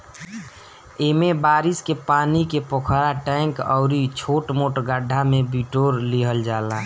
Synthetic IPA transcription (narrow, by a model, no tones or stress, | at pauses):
emebaːɾiskepaːnikepɔkʰɾaʈɛ̃ɪ̃ŋkɔ̰ʊɾit͡ʃʰoːʈmoːʈɡəɖʱːamẽbiʈoːɾliɦəld͡ʒaːlaː